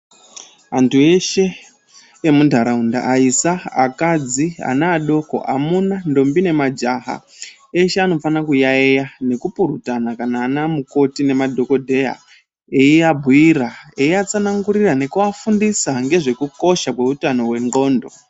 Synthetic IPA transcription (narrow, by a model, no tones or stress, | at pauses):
antue̞ʃe̞ː | mundʱaɾaunda̰ʔaisaa̰kad͡zia̰naːɗo̞ko̞̰ʔa̰munando̞mbine̞mad͡ʒaɦa̰ | eʃeano̞fanakujaejane̞kupuɾutanakanaːnamuko̞tine̞madʱo̞ko̞dʱe̞ja̰ | eiabʱuiraeiat͡sanaŋɡuɾirane̞kuafundisaŋɡe̞ʐe̞kuko̞ʃakwe̞utano̞we̞ŋɡo̞ːndo̞̰